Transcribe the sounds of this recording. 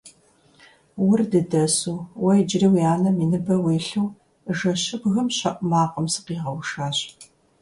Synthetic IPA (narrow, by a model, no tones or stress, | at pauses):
wʊrdɨdɐsuːwɐjd͡ʒriːwjaːnɐminɨbɐweːɬɨw | ʒɐɕɪbɣɐmɕɐʔmaːqəmsɨ̥qiːʁɐwʃaːɕ